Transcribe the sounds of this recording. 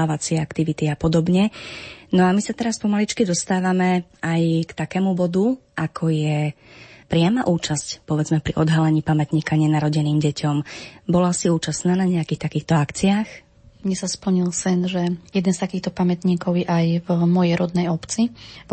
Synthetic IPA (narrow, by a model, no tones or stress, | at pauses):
aːʋat͡sɪɛakt̪iʋit̪iapɔd̪ɔbɲɛnɔamisat̪ɛɾaspɔmalit͡ʃkid̪ɔst̪aːʋamɛ | ajkt̪akɛːmubɔd̪uʔakʰɔjɛ | pɾɪamaʔuːt͡ʃascpɔʋɛd͡zmɛpɾḭʔɔd̪ɦalɛɲiːpamɛt̪ɲiːkaɲɛnaɾɔɟɛniːmɟɛcʰɔmbɔlasiuːt͡ʃasnaːnaɲɛakiːxt̪akiːxt̪ɔakt͡siaːx | mɲɛsaspl̩ɲilsɛnʒɛjɛd̪ɛnst̪akiːxt̪ɔpamɛt̪ɲiːkɔʊjɛʔajvmɔjɛjɾɔd̪nɛjɔpt͡si